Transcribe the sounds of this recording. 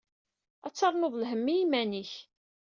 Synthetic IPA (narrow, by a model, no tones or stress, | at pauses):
æt͡sːɑɾˤnoðˤlɦəmːiimæniç